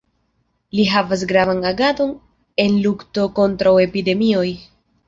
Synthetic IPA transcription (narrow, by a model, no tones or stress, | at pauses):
liɦavas̬ɡɾavanaɡado̞n | e̞nlukto̞ko̞ntɾawe̞pide̞mio̞j